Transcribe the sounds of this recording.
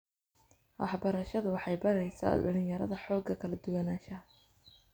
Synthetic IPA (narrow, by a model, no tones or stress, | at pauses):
wʔɑ̰ħbɐɾɐʃɐðʊwɑħɑjbɐɾɛjsa̰ɖɐlɪnjɐɾɐ̰ðɐħɔːɡɐkʰɐlɐd̪ʊwɐnaːʃɐ